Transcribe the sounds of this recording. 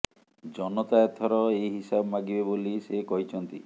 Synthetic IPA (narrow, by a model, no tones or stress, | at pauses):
d͡ʒɔnɔt̪ajɔt̪ʰɔɾɔejɦisabɔmaɡibebolisekɔɦit͡ʃʰɔnt̪i